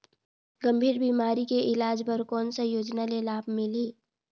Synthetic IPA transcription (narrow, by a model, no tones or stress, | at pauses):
ɡə̃mbʱiːɾbiːmaːɾikeʔɪlaːd͡ʒpəɾkɔːnsajoːd͡ʒnalelaːbʱmɪle